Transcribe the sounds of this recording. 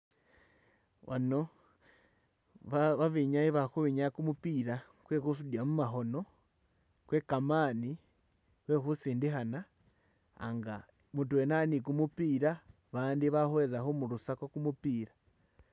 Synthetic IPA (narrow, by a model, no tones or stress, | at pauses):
wʔa̰no | aβaβiɲaiβaxuβiɲakumupiɾa | kwekus̬udjamumaɦo̞no̞ | kwekamani | wexusiːndiɦana̰ː | ŋɡa | mutwenanikumupiɾa | βaːndiβahwezaxomuɾusakokumupiɾa